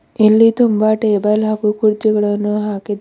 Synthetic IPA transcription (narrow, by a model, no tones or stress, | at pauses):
elːit̪umbaːʈebɐlakukuɾd͡ʒɐɡɐɭɐnːuɦaːkid̪